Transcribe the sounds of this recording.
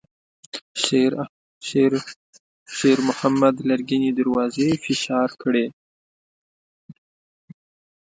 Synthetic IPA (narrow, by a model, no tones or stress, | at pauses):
ʃeɾmʊhamːad̪laɾɡinid̪aɾwɑzefɪʃɑɾkɽe